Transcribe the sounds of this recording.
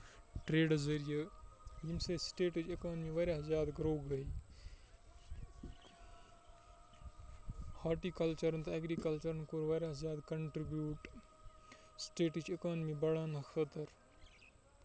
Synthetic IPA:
ʈɾeːɖzɐɾijəjimseːsʈeːʈut͡ʃekaːnmiːʋɐɾjaːzjaːd̪ɡɾoːɡɐi | haːɾʈiːkɐlt͡ʃəɾnt̪ɐɐɡɾikɐlt͡ʃəɾnkoːɾʋɐːɾjaːzjaːd̪kɐɳʈɾibjuːʈ | sʈeːʈut͡ʃekaːnmibɐɽaːnɐxʰɐt̪əɾ

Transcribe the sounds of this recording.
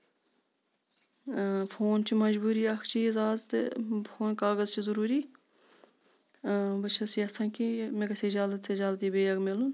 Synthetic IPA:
fʰoːnt͡ʃʰimɐd͡ʒbuːɾiːɐkʰt͡ʃiːzaːzt̪ḛfʰoːnkaːɣəzt͡ʃizəɾuːɾiː | bɐt͡ʃʰɐsiːɐsãːkimẽːkɐseːd͡ʒaːlət̪sed͡ʒaːlt̪iːbeːjɐɡmɪlun

